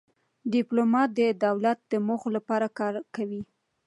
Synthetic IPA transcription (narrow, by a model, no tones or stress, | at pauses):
ɖɪplomɑt̪̚d̪əd̪awlat̪̚d̪əmoxolapɑɾakɑɾkawi